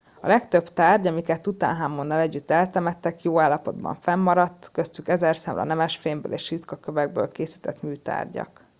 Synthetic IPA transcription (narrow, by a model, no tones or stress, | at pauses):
ɒ̰lɛkt̪ø̞bt̪aːrɟɒmikɛt̪ːut̪a̰ːnɦaːmːonːɒlɛɟːyt̪ːɛlt̪ɛmɛt̪ːɛkjoːaːlːɒpo̞d̪bɒ̰ɱfɛmːɒɾɒt̪ːkøst̪ykɛzɛrsɛ̰mlɒ̰nɛmɛʃfeːmbø̰ːleːʃit̪kɒkøvɛɡ̚bø̰ːlkeːsi̥ːt̪ɛt̪myːt̪a̰ːrɟɒ̰k